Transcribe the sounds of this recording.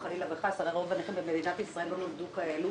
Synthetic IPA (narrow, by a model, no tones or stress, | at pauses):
χalilabeχasadeʁovaneχembemed̪inat̪isʁae̞lbonomd̪ukae̞lu